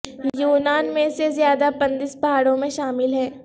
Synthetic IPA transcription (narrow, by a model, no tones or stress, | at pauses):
juːnaːnmẽsezjaːd̪apɐ̃nd̪ɪsbɐɦaːɽõmẽʃaːmɪlɦɛː